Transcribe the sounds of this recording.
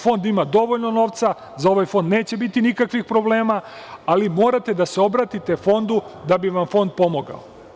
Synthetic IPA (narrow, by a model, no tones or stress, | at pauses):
fo̞nd̪imad̪o̞ʋo̞ʎno̞no̞ːʋt̪sa | zao̞ʋajfo̞nd̪neːt͡ɕe̞bit̪inikakʋixpɾo̞ble̞ːma | alimo̞ːɾat̪e̞d̪aseo̞bɾaːt̪it̪e̞fo̞nd̪ud̪abiʋamfo̞nd̪̚po̞mo̞ɡa̰o